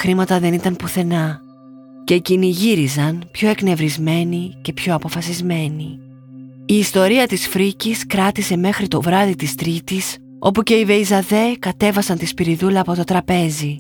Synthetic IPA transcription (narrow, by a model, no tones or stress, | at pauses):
xɾimɐt̪ɐðe̞nit̪ɐmpuθe̞nɐ | ce̞iciniʝiɾizɐnpço̞e̞kne̞vɾizme̞nice̞pço̞ɐpo̞fɐsizme̞ni | iːst̪o̞ɾiɐt̪isfɾiciskɾɐt̪ise̞me̞xɾit̪o̞vɾɐðit̪ist̪ɾit̪is | o̞puce̞ive̞izɐðe̞kɐt̪e̞vɐsɐnt̪ispiɾiðulɐːpo̞t̪o̞t̪ɾɐpe̞zi